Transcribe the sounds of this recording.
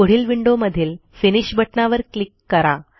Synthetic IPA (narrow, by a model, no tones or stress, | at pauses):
oɽ̤iːlʋiɳɖoməd̪ʱiːlfiniɕbʱəʈnaʋəɾklikːəɾa